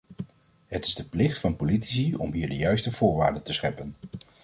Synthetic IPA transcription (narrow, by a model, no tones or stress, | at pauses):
ɦətɪzdəplɪχtfɑnpoliti̥siɔ̰mɦiːɹdəjœɥstəv̥ʊːɹʋa̰ːɹdəntəsχɛpən